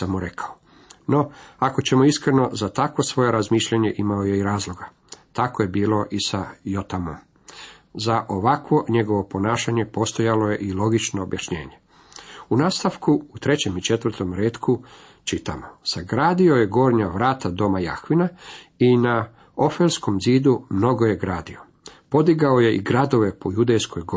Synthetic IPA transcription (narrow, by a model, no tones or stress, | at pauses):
amuɾekʰao | no̞ako̞t͡ɕe̞mo̞iskɾe̞no̞zat̪akʋo̞sʋo̞jeɾazmiːʃʎaɲe̞ʔimaojeiɾaːzlˠo̞ɡa | t̪akoje̞biːlˠo̞ʔisajot̪amom | zaʔoʋakʋo̞ɲe̞ɡo̞ʋo̞po̞naːʃaɲe̞po̞st̪o̞jaloje̞ʔilˠo̞ɡit͡ʃno̞ːbjaʃɲe̞̰ːɲe̞ | unaːst̪aʋkuːt̪ɾe̞t͡ɕe̞mit͡ʃe̞t̪ʋər̩ɾt̪o̞mɾeːt̪kʰu | t͡ʃit̪amosaɡɾaːd̪io̞jeɡo̞ːɾɲaʋɾaːt̪ad̪o̞maja̰xʋinaina | ofelsko̞mziːd̪umno̞ɡo̞je̞ɡɾaːd̪io̞ | po̞d̪iɡaoje̞ʔiɡɾad̪o̞ʋe̞po̞jud̪ejsko̞jɡo